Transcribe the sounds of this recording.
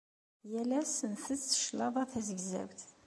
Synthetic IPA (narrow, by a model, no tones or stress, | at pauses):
jælæsənθəzə̥ʃlɑðˤɑθæzəɡzæ̰wt̪